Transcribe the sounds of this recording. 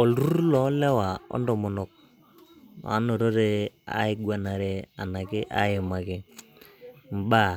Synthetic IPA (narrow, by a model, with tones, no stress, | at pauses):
ɔ˨lɾu˦ɾlɔ˦lɛ˦wa˨ɔ̰˦ndɔ˨mʊ˨nɔ˨k̚ | a̰˨˦no˨ɾo˦ɾe˦a̰˨˦ɪ˦ɡwa˨na˨ɾɛ˦a̰˨na˨kɪ˦ʔa˦jɪ˨ma˨kɪ˦ | m̩˨ba˦˨